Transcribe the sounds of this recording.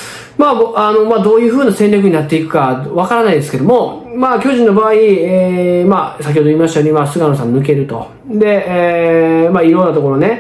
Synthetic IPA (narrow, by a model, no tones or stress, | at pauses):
maano̞mad̪o̞ːjɯ̟ːɸɯ̟ːnasẽ̞ɾʲɾʲak̬ɯ̟ɲ̟inat̪ːe̞ikɯ̟̥kaβakaɾanaid̪e̞sɨ̥ke̞d̪o̞mo̞ | maːkʲo̞ːʑĩnːo̞baːiemasak̬ʲhod̪oiːmaɕt̪ajoɲimasɨɡanosãnɯ̟k̬e̞ɾɯ̟t̪o̞̰ | d̪e̞ | maːiɾo̞ːnat̪o̞ko̞ɾone